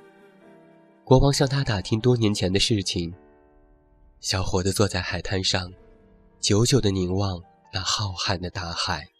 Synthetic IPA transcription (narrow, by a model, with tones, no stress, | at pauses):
kwɔ˧˥wɑ˥ŋɕjɑ˥˩ŋt̪ʰa˥t̪a˨˩t̪ʰi˥ŋt̪wɔ˥njɛ˧˥nt͡ɕʰjɛ˧˥nd̪ə˧ʂɻ̩˥˩t͡ɕʰi˨˩ŋ | ɕjɑ˨˧˥ʊxwɔ˧˥d̪ə˧t͡swɔ˥˧t͡sa˥˩ɪxa˨˩ɪt̪ʰa˥nʂɑ˥˩ŋ | t͡ɕjo˧˥ʊt͡ɕjo˨˩ʊd̪ə˨ni˧˥ŋwɑ˥˧ŋ | na˥˧xɑ˥˧ʊxa˥˩nd̪ə˩t̪a˧˥xa˨˩ɪ